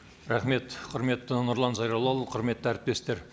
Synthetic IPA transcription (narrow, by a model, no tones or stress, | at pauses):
ɾɑχme̞t̪qʰʊɾme̞t̪ːɪnʊɾlˠɑnzɑjɾɑwlˠɑlˠəqʰʊɾme̞t̪ːæɾɪp̚t̪e̞st̪e̞ɾ